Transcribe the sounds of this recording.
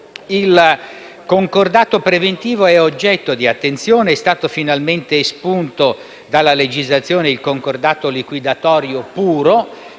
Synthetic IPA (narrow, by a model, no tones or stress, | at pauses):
il | koŋkord̪aːt̪opɾevent̪iːvoɛod͡ʒːɛt̪ːod̪iat̪ːent̪sjoːneɛst̪aːt̪ofinalment̪espunt̪o | d̪alːaled͡ʒizlat̪sːjoːneilkoŋkord̪aːt̪olikwid̪at̪ɔːɾjopuːɾo